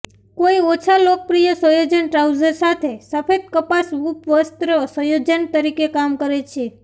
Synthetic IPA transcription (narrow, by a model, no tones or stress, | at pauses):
koiot͡ʃʰalok̚pɾijəsəjod͡ʒənʈɾawd͡ʒəɾsat̪ʰesəfed̪̚kəpasʋupʋəst̪ɾsəjod͡ʒənt̪əɾikekamkəɾet͡ʃʰe